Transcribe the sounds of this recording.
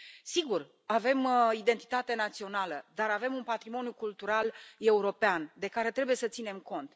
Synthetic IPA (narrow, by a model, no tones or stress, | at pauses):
siɡur | ave̞mid̪e̞nt̪i̥t̪at̪e̞nat̪sio̞naləd̪aɾave̞munpat̪ɾimo̞njukult̪uɾale̞uɾo̞peand̪e̞kaɾe̞t̪ɾe̞buje̞sət̪sine̞mko̞nt̪